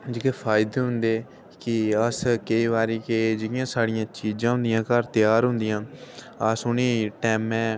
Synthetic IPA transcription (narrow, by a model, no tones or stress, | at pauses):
d͡ʒɪkeːpʰaːjɪd̪eːɦʊ̃nd̪eː | kɪəskəiːʋaːɾiːkeːd͡ʒɪɪjãːsaːɽɪjãːt͡ʃiːd͡ʒãːɦʊ̃nd̪ɪjãːkəɾt̪ɪjaːɾɦʊ̃nd̪ɪjãː | əsʊniːʈɛːmɛ̃ː